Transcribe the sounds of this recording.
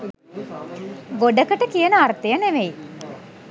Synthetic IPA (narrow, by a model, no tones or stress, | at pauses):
ɡoɖəkəʈəkijənəart̪ejəneʋeji